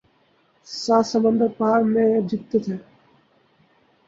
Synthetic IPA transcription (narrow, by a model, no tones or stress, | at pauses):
saːsəmənd̪ʱəɾpaːɾmẽd͡ʒɪt̪ːet̪ʰeː